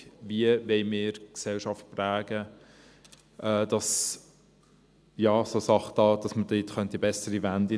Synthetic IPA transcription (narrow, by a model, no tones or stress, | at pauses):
viəʋɛɪmɪːɾksɛlʃɑft̚plæːɡ̥ə | ʔɛːd̥ɑs | jɑːsosɑχtɑːd̥ɑsməd̥ɪːtχœnt̪ibɛsəɾivændi